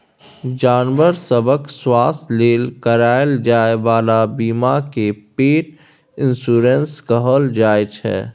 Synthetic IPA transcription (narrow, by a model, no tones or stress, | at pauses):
d͡ʒaːnʋəɾsəbəkswaːst̪leːlkəɾaːəld͡ʒaːeʋaːlabiːmakepeːʈ̚ | ɪ̃nsuːɾẽnskəɦəld͡ʒaːet͡ʃʰɛ̰ː